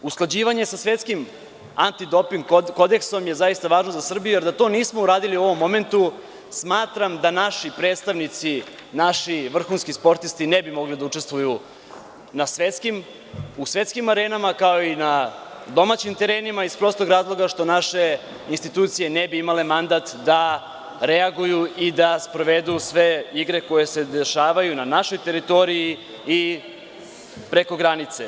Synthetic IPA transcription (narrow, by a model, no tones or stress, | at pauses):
usklˠad͡ʑiːʋaɲe̞sasʋe̞t̪skim | ant̪id̪o̞piŋɡko̞d̪e̞kso̞mje̞zajist̪aʋaːʒno̞zasr̩bijuje̞ɾd̪at̪o̞ːniːsmo̞uɾaːd̪iliuo̞ʋo̞mːo̞me̞nt̪u | smaːt̪ɾamd̪anaʃipɾe̞ːt̪st̪aʋnit̪si | naʃiʋr̩xuːnskispo̞ɾt̪ist̪inebimo̞ɡlid̪aut͡ʂe̞st̪ʋuju | nasʋe̞t̪skim | usʋe̞t̪skimaɾenamakao̞ina | d̪o̞mat͡ɕimt̪e̞ɾe̞ːnimaispɾo̞ːst̪ˠoɡɾaːzlˠo̞ɡaʃt̪o̞naʃe̞ | inst̪it̪uːt̪sije̞nebiimale̞mand̪at̪d̪a | ɾeaɡujuid̪aspɾo̞ʋe̞d̪ujusʋe̞iɡɾe̞ko̞je̞se̞d̪e̞ʃaːʋajunanaʃo̞jt̪e̞ɾit̪o̞ɾiji | i | pɾe̞ko̞ɡɾanit̪se